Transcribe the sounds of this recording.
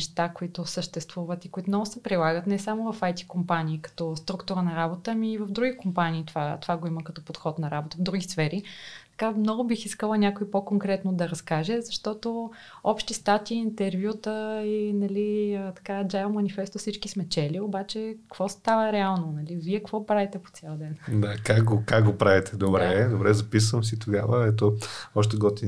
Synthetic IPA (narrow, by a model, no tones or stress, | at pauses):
ʃt̪akoit̪ʊsəʃt̪ɛst̪vuvət̪ikoit̪omnɔɡʊsɛpɾilˠaɡət̪nɛsamovɐfajt̪i̥kompaniːkɐ̥t̪ɔst̪ɾukt̪ʊɾənɐɾabot̪əmiːvɐvd̪ɾuɡʲikompaniːt̪vat̪ovaɡoiməkɐt̪ɔpot̪xɔt̪nɐɾabot̪əvd̪ɾuɡʲisfɛɾit̪ɐ̥kamnɔɡʊbixiskəlˠənʲakoipokoŋkɾɛt̪nod̪ɐɾɐskaʒɛzɐʃt̪ɔt̪o | ɔpʃt̪ist̪at̪iːnt̪ɛɾvjut̪əinɐliət̪ɐ̥kad͡ʒajmɐnifɛst̪ofsit͡ʃkismɛt͡ʃɛliobat͡ʃɛkkəvɔst̪avəɾɛalˠnonɐliviɛkvɔpɾavit̪ɛpo̥t̪sʲjɛlˠd̪ɛnd̪akakɡokakɡopɾavit̪ɛd̪obɾɛd̪obɾɛzɐpis̬vəms̬it̪oɡavəɛt̪̬oɔʃt̪ɛɡɔt̪i